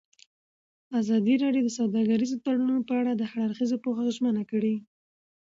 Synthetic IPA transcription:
azɑd̪iɾɑɖjod̪əsawd̪ɑɡaɾizot̪aɽununopəaɽad̪əhaɽaɾxizopoxaʒmənakəɽi

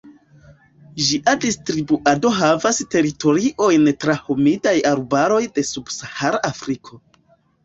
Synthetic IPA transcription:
ʒiʔadistɾibuʔado̞ɦavaste̞ɾito̞ɾiʔo̞jntɾahomidajaɾbaɾo̞jde̞subsahaɾaːfɾikʰo̞

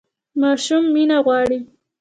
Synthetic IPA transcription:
mɑʃumːinaɣwɑɽi

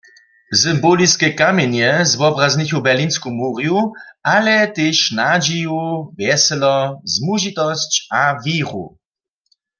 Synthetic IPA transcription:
sɨmboliskɛkamɛnjɛzvɔbʁaznixubɛʁliːnskumuːʁjuʔalɛt̪eːʃnad͡ʒijuvjɛsɛlɔzmuʒit̪ɔst͡ɕaviːʁṵ

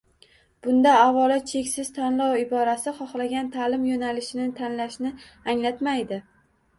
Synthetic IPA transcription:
b̥ʊnd̪aːvɒlat͡ʃʰe̞kʲsɪz̥t̪ʰanlɒwɪbɒɾasɪχɒχlaɡʲant̪ʰalɪmjonalɪʃɪnɪt̪ʰanlaʃnɪ | aŋlat̪majd̪ɪ

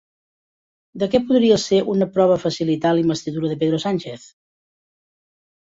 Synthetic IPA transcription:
d̪əkɛpuðɾiəseʔunəpɾɔβ̞əfəsilit̪alimbəst̪iðuɾəðəp̬eðɾosanʲt͡ʃeθ

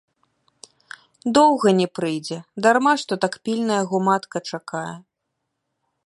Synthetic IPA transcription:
d̪ɔwɣɐnʲɛpɾɨjd͡zʲɛd̪armaʂt̪ɔt̪akpʲilʲnɐjɐɣɔmat̪kɐt͡ʂakajɛ

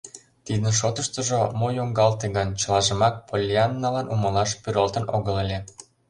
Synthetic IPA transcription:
t̪id̪ənʃ̬ot̪əʃt̪ə̆ʒomojoŋɡɑlt̪eɣənt͡ɕəlɑʒə̆mɑk̚pʰolʲiɑnːɑlɑnʔumɤlɑʃpyɾɑlt̪ə̆noɣəlelʲe

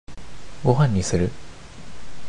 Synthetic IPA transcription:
ɡoɦãɲːisɨɾɯ

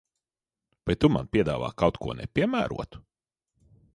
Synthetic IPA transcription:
vajt̪uma̰npʲiɛd̪aːva̰ːkawt̪kʰuɔnɛ̰pʲiɛmæ̰ːɾṵɔt̪u̥

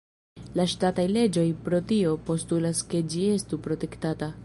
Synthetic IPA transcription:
laʃtatajle̞d͡ʒo̞jpɾo̞tio̞po̞stulaske̞d͡ʒie̞stupɾo̞te̞ktata

